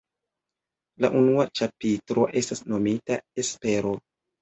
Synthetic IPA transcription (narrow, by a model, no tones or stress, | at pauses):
la̰ʔunuat͡ʃapitɾo̞ʔe̞stasno̞mitaespe̞ɾo̞